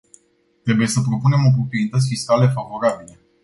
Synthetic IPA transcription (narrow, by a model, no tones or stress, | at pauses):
t̪ɾe̞buje̞səpɾo̞pune̞mo̞p̬ɾo̞pɾienit̪ət̪sʲfiskalefavo̞ɾabile